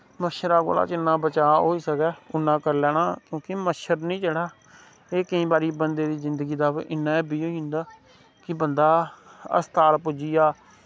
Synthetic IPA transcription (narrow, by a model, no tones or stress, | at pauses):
məʃəɾaːɡo̰ːla̰ːt͡ʃɪnːãːbət͡ʃaːɦoːiːsəkɛːʊnːãːkəɾlɛːɽ̃aːkjõːkɪməʃəɾnĩːt͡ʃəɽaː | eːkəĩːbaːɾiːbənd̪eːd̪iːzɪnd̪əɡiːd̪aːʋʔɪnːãːeːbiːoːiɦʊ̃nd̪aː | kɪbənd̪aːə̰st̪aːlpʊd͡ʒiːjaː